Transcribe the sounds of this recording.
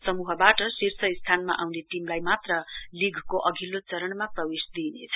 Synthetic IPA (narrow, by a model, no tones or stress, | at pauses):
sʌmuɦʌbaʈʌsirsʰʌist̪ʰanma̰ʔawneʈimlajmat̪rʌliɡʱkoʔʌɡʱilot͡sʌɾʌɳmaprʌwesd̪inḛt͡sʰʌ̥